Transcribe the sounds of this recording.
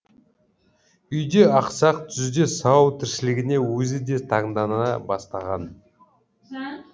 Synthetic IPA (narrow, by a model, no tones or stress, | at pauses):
ʏjd̪eɑqsɑq̚t̪ʰʏzd̪esɑwt̪ʰɪɾʃɪlɪɡʲɪne̞wɵzɪd̪e̞t̪ʰɑɴd̪ɑnɑbɑst̪ɑʁɑn